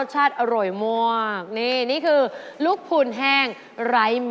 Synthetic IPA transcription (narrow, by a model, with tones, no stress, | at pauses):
t̪̚t͡ɕʰaː˥˩t̪̚ʔa˧ɾo˨˩jmu˧˩ɐk̚niː˧˩niː˥˩kʰɯː˧lu˦˥k̚pʰu˧˩nɦɛː˥˩ŋ | ɾa˦˥jm